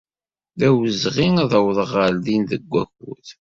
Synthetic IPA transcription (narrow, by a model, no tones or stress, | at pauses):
ðæwəzʁiŋaðəwðˤəʁəlðinðəɡʷːækṵθ